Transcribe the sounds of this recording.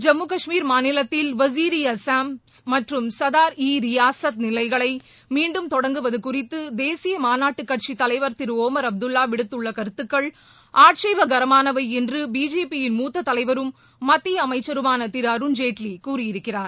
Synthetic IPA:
d͡ʒɐmːɯkɐʂmiːɾmaːnɪlɐt̪ːɪlʋɐs̬iːɾɪjɐsaːmsmɐʈrɯmsɐðaːɾiːɾɪjaːsɐt̪̚nɪlɐɪɣɐɭɐɪ | miːɳɖɯmt̪ɔɽɐŋɡɯʋɐðɯkʊrɪt̪ːɯd̪eːsɪjɐmaːnaːʈːɯkːɐʈ̚t͡ʃit̪ːɐlɐɪʋɐɾt̪ɪɾɯoːmɐɾɐb̚d̪ɯlːaːʋɪɽɯt̪ːɯɭːɐkɐɾɯt̪ːɯkːɐɭ | ʔaːʈt͡ʃɐɪʋɐɡɐɾɐmaːnɐʋɐɪɛndrɯbiːd͡ʒeːpijɪnmuːt̪ːɐt̪ːɐlɐɪʋɐɾɯmː | ɐt̪ːɪjɐɐmɐɪt͡ʃːɐɾɯmaːnɐt̪ɪɾɐɾɯnd͡ʒeːʈlikuːrɪjɪɾɯkːɪraːɾ

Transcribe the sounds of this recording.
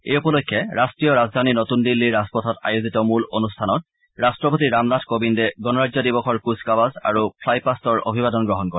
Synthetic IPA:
ejupɔlokʰːɛʔastɹijɔɹazd̪ʱaninotundilːiɹaspɔtʰɔta̰jozitɔmulonustʰanɔt̚ | ɹastɹɔpotiɹamnatʰkobindɛɡɔnɔɹazɔdibɔxʰɔɹkuskabaza̰ɹupʰlajpastɔɹo̰bʱibadɔnɡɹɔɦɔnkɔɹɛ

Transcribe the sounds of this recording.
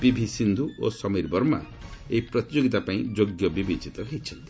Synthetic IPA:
b̥ibʱisind̪ʱuʔosɔmiɾbɔɾma̰ | eipɾɔt̪id͡ʒoɡit̪apaĩd͡ʒoɡjɔbibid͡ʒit̪ɔɦejt͡ʃʰɔnt̪i̥

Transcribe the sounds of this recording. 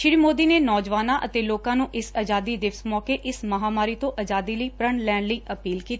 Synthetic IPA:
ʃɪɾiːmoːd̪iːneːnɔːd͡ʒʋaːnãːʔət̪eːloːkãːnũːʔɪsad͡ʒaːd̪iːd̪ɪʋsmɔːkeːʔɪsməɦaːmaːɾiːt̪õːʔəd͡ʒaːd̪iːləiːpɾəɳlɛːɳləiːʔəpiːlkiːt̪a

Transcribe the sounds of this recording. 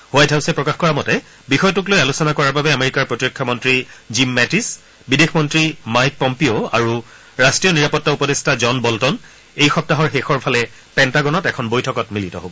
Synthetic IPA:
hʊajdʱaʊsɛpɹɔkaxkɔɹamɔtɛ | bixɔjɔtʊklojalusɔnakɔɹaɹbabɛameɹikaɹpɹotiɹɔkʰːamɔntɹizimːɛtis | bidexmɔntɹimajk̚pɔmpioa̰ɹu | ɹastɹijɔniɹapɔtːaupɔdestʰazɔnbɔltɔn | ejxɔp̚taɦɔɹxexɔɹpʰalɛ | pɛntaɡɔnɔtɛkʰɔnbojtʰɔkɔtmilitɔ̰ɦobɔ

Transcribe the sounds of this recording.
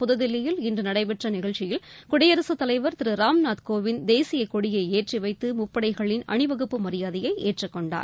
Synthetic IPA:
pʊðɐðɪlːɪjɪlɪndrɯnɐɽɐɪpɛʈrɐnɪɣɐɭt͡ʃːɪjɪlkʊɽɐjɐɾɐsɯt̪ːɐlɐɪʋɐɾt̪ɪɾɯɾaːmnaːt̪koːʋɪnd̪eːsɪjɐkɔɽɪjɐɪeːʈriʋɐɪt̪ːɯmʊpːɐɽɐɪɣɐɭɪnɐ̰ɳɪʋɐɣɯpːɯmɐɾɪjaːðɪjɐɪʔeːʈrɐkːɔɳɖa̰ːɾ

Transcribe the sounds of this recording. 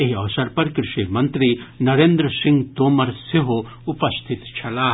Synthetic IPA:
eɦiɐʋsɐɾpɐɾkɾɪʃimɐnt̪ɾinɐɾeːnd̪ɾəsɪ̃ŋɡt̪oːmɐɾseɦo | upɐst̪ʰɪt̪t͡ʃʰɐlaː

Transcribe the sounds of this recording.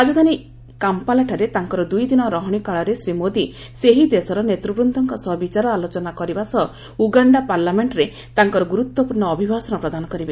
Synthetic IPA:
ad͡ʒɔd̪ani | kampalaʈʰaɾet̪aŋkɔɾɔd̪ujd̪inɔɾɔɦɔɽ̃ikaɭɔɾesɾimod̪i | seɦid̪esɔɾɔnet̪ɾubɾɔnd̪ʱɔŋkɔsɔbit͡ʃaɾɔalot͡ʃɔnakɔɾibasɔ | uɡaɳɖapaɾlameɳʈɾe | t̪aŋkɔɾɔɡuɾut̪wɔpuɾɳːɔːbʱibʱasɔñɔpɾɔd̪anɔkɔɾibe

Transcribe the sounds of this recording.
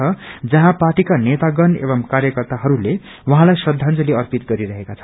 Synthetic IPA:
ʌd͡zʌɦãpaʈikanet̪aɡʌnḛβʌmkaɾjʌkʌrt̪aɦʌɾule | wʌɦãlajsʌd̪ʱːãnt͡sʌleʌrpit̪ɡʌɾiɾʌɦekat͡sʰʌn

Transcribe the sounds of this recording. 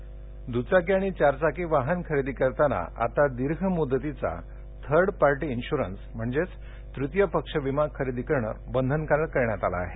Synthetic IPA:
d̪ut͡sakjaɽ̃it͡ɕaɾt͡sakiʋaɦənkʰəɾed̪ikəɾt̪ana̰a̰t̪ad̪iɾɡʱəmud̪ːət̪it͡sa̰ | t̪ʰəɾɖpaɾʈiːnɕuɾənsm̤əɳd͡zet͡s | t̪ɾut̪jəpəkʂəʋimakʰəɾed̪ikəɾɳə̰bənd̪ʱənkəɾəɭkəɾɳjat̪ala̰ːɦe

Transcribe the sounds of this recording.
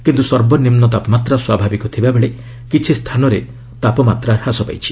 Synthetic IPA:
kint̪usɔɾbɔnimnɔt̪apɔmat̪ɾaswabʱabikɔt̪ʰibabeɭe | kit͡ʃʰist̪ʰanɔɾe | t̪apɔmat̪ɾaɾhasɔpa̰jt͡ʃʰi̥

